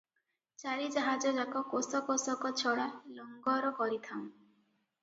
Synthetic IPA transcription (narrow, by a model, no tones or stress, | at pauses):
t͡ʃaɾid͡ʒaɦad͡ʒɔd͡ʒakɔkosɔkosɔkɔt͡ʃʰɔɽalɔŋɡɔɾɔkɔɾit̪ʰaŋ̃